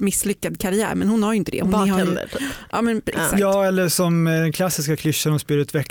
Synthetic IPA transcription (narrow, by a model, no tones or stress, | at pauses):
mɪsːlʏkːad̪kʰaɾɪæ̰ːɾmɛnhʊnhaɾjʏnt̪əd̪ɛ̰hʊnha̰ʔɑ̰ːmɛnɛ̰ksajɑːɛlːəʂɔmd̪ɛnkʰlasːɪskakʰlʏʃːanɔspʏɾət̪ʰvɛkː